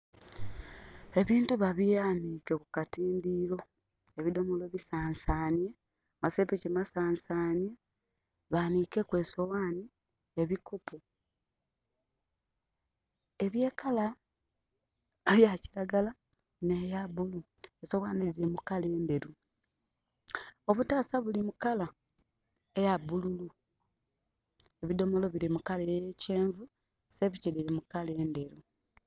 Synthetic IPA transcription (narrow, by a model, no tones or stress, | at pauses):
e̞βiːntuβaβijaniːkekukatiːndiːlo̞ | eβido̞moloβisaːnsaːnie | masepicemasaːnsaːnia | βanikekwe̞ːso̞waːni | eβikopʰo | e̞βje̞ːkala | jaciɾaɡala | nejaβulu | eso̞waːnezemukale̞ːnde̞ɾu | o̞βutaːsaβulimukala | ejabululu | e̞βido̞mo̞lo̞βiɾimukalejeceːɱvu | se̞βiciliɾimukale̞ːnde̞ɾu